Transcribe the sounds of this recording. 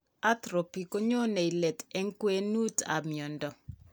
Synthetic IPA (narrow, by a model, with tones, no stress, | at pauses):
a˦tɾo˨pi˨ko˦ɲo˦ne˨i˨lɛ˨tɛ˦ŋ˦kwe˦nu˦ta̰˨mjɔ˨ndɔ˨